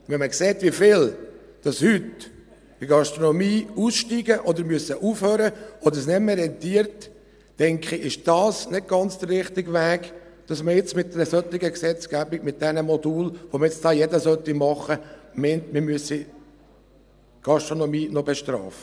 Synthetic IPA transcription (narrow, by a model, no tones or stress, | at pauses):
ʋɛnməkseːtʋifɪl | d̥ɑshyt | ɪɡɑʃt̪ɾonɔmiːusʃtiɡəʔɔd̪əɾmyəsəʔufhøːɾəɔd̪əɾsnɛməɾɛnt̪iːəɾtː | ɛŋkχɪʔɪʃd̥ɑːsnɪt̚ɡ̥ɑnt͡sd̥̪əɾrɪχtɪɡʋæːɡ̥ | d̥ɑsməjɪt͡smɪt̚d̥̪ɛɾəsœt̪ːɪɡəksɛt͡sɡ̥æbɪɡmɪt̚d̥̪ɛnəmɔd̪uːlʋoməjɪt͡sd̥ɑːjɛdəsœt̪ːimɑχəmɛntmɪmyəsi | ɡ̥ɑʃtɾonɔmiːnɔbɛʃt̪ɾɑ̰ːfə